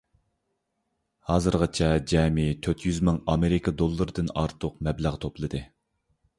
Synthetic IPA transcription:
hɑːzɨɾʁɑt͡ʃʰɛd͡ʒɛːmit̪ʰøt̪ʰjyzmɪŋɑmeɾɪkʰɑd̪olˠːɨɾɨd̪ɨnɑ̰ɾt̪ʰʊqmɛblæʁt̪ʰoplˠɨd̪ɨ

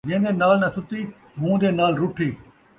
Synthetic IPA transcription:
d͡ʒẽə̃d̪eːnaːlnɐsʊt̪iː | mũːd̪eːnaːlɾʊʈʰiː

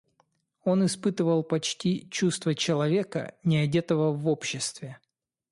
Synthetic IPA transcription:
o̞nɪspɨt̪ɨvəlˠpɐt͡ɕtʲit͡ɕust̪vət͡ɕɪlˠɐvʲekə̰nʲɪɐdʲet̪əvəvopɕːɪst̪vʲɪ

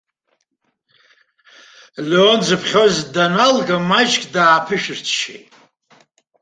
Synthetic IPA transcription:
leond͡zɨpʰχʲozdanalɡamat͡ʃkʼdaːpʰɨʃᶣɨrt͡sʰʃḛjtʼ

